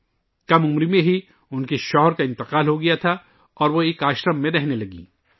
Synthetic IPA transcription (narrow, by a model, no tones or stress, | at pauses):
kɐmʊmɾimẽɦi | ʊnkeʃɔːɦɾkaɪ̃nt̪ɪqaːlɦoɡɐjat̪ʰa | ɔːɾʋoeːkaːʃɾəmːẽɾɛɦnelɐɡḭː